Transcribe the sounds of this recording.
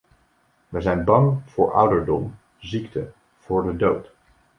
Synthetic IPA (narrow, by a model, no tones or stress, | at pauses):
ʋəjzɛjnbɑŋv̥ʊːɹʔʌ̰wdəɹdɔm | ziktə | v̥ʊːɹdədowt